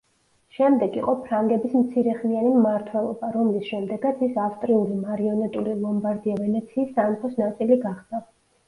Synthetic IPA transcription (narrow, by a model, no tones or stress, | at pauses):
ʃɛmd̪ɛɡiqʼɔpʰɾaŋɡɛbismt̪sʰiɾɛχmianimːaɾt̪ʰwɛlˠɔ̰baɾɔmlisʃɛmd̪ɛɡat̪sʰisafst̪ʼɾiulimaɾiɔnɛt̪ʼulilˠɔmbaɾd̪iavɛnɛt̪sʰiːsːamχɔsnat̪sʼiliɡaχd̪a